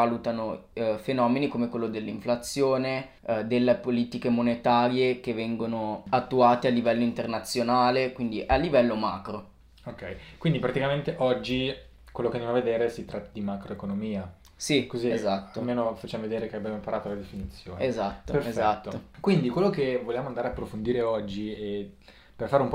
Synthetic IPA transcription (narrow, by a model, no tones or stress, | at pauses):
alut̪anofenɔːmenikomekwelːod̪elːiɱflat̪sːjoːne | d̪elːepoliːt̪ikemonet̪aːɾjek̟evːɛŋɡonoat̪ːuaːt̪ealːivɛlːoint̪ernat̪sːjonaːlekwind̪iʔalːivɛlːomaːkɾo | okːɛjkwind̪ipɾat̪ikament̪eʔɔd͡ʒːi | kwelːokeand̪jamaved̪eːɾesit̪ɾʔat̪ːad̪imakɾoekonomiːa | sikoziezat̪aːolmeːnofat͡ʃːaːmoved̪eːɾekeabjaːmoipaɾaːt̪olad̪efinit̪sːjo̰ːnezat̪ːopeɾezat̪ːoːokwind̪ikwelːokevoljaːmoand̪aɾaapːɾofond̪iːɾeɔd͡ʒːie | perfaːɾeump